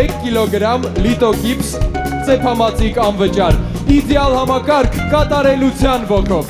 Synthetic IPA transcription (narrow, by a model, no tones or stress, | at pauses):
ɛkʰːilɔɡɾɑmlit̪ɔkipst͡sɛpʰɑmɑt͡sʰikɑnvət͡ʃɑɾ | id̪jɑlhɑmɑkɑɾkʰːɑt̪ɑɾɛlut͡sʰjɑnvɔkʰɔv